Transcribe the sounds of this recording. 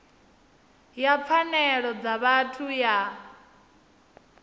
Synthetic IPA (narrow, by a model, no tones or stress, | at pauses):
jap̪fʰanɛɺɔd͡zaβatʰuja